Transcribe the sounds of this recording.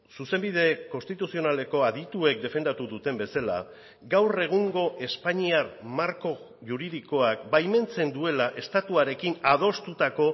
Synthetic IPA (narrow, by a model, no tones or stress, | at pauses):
suse̞mbiðe̞ko̞nst̪it̪usio̞nale̞ko̞aðit̪ue̞k̚d̪e̞fe̞nd̪at̪uðut̪e̞mbe̞sala̰ | ɡawre̞ɣ̞uŋɡo̞ʔe̞spaɲiaɾmaɾko̞ | ʝuɾiðiko̞akbajme̞nt͡se̞nd̪ue̞laʔe̞st̪at̪uaɾe̞kinað̞o̞st̪ut̪ako̞